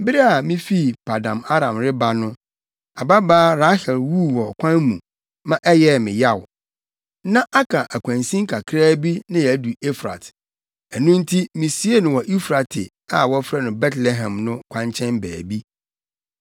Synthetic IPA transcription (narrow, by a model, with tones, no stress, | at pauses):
m˦bɪ˦ɾɛ˦a˨mĩ˦fi˦˨pʰa˨dã˨ma˦ɾã˨mɾɪ˦ba˦nʊ̃˦ | a˨ba˦baː˦ɾa˦hɪ˨lwu˦wɔ˨kʷʰã˦nmũ˨ | mã˦ʔɛ˦jɛ˦˨mɪ̃˨ja˦˨w | nã˦ʔa˦kʰa˨ʔæ˨kʷʰã˨nsĩ˦ŋ˦kʰa˨kʰɾaː˦bi˦nã˦jɛ˨˦du˨e˦fɾa̰˨t | ɛ˨nũ˦n̩˦tʰi˦mĩ˨si˦e˦nʊ̃˨wɔ˨ʔi˦fɾa˨tʰɪ˨ | a˨wɔ˦fɾɛ˦nʊ̃˨bɛ˦tlɛ˨ɦã˨mnʊ̃˦kʷʰã˦ɲt͡ɕʰɛ̃˦nbæː˨bi˦